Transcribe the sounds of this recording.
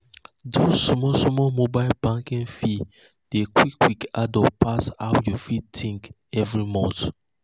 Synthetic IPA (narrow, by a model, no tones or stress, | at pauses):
dosmɔsɔmɔmobaɪlbãŋkĩnfi | d̥ekwikːwikadɔpʰasa̰wjufid̚tʰĩŋk | ɛvɹimɔ̃nt